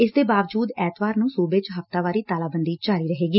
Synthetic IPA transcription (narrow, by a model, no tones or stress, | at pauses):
ɪsd̪eːbaːʋəd͡ʒuːd̪ɛːt̪ʋaːɾnũːsuːbet͡ʃɦəft̪aːʋaːɾiːt̪aːlaːbənd̪iːd͡ʒaːɾiːɾəɦeːɡiː